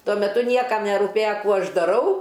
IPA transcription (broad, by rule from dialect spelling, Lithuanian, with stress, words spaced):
ˈtuɔ mʲɛˈtʊ ˈnʲiɛkɐm nʲɛrʊˈpʲeːjɛ ˈkuː ˈɐʃ dɐˈrɐʊ